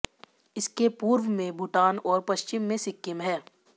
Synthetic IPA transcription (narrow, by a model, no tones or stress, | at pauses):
ɪskepuːɾwmẽbʱʊʈaːnɔːɾpɐʃt͡ʃɪmːẽsɪkːɪmɦɛː